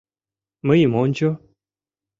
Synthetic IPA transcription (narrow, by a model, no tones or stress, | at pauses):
məjimɔnd͡ʒo